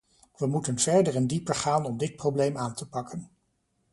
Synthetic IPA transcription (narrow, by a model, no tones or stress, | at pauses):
ʋəmutənv̥ɛɹdəɹɛndipəɹχaːnɔmdɪt̚prowblejmaːntəpɑkʰən